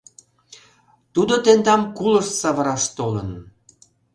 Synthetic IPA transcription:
t̪ud̪ot̪end̪ɑmkuləʃsɑβəɾɑʃt̪olə̰n

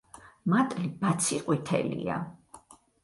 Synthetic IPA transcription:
mat̪ʼlibat̪sʰiqʼwit̪ʰɛ̰lḭa̰

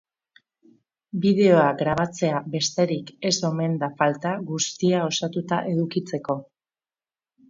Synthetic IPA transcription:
bið̞e̞o̞aɡɾaβ̞at͡se̞abe̞st̪e̞ɾike̞so̞me̞nd̪afalt̪aɣust̪iao̞sat̪ut̪aʔe̞ð̞ukit͡se̞ko̞

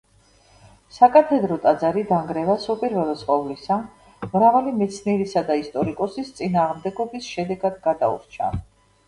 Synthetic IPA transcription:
sakʼat̪ʰɛd̪ɾɔt̪ʼad̪zaɾid̪aŋɡɾɛvasupʼiɾvɛlˠɛsqʼɔvlisa | mɾavalimɛt̪sʰniɛɾisad̪aist̪ʼɔɾikʼɔsist̪sʼinaːʁmd̪ɛɡɔbisʃɛd̪ɛɡad̪ɡad̪a̰ṵɾt͡ʃʰa̰

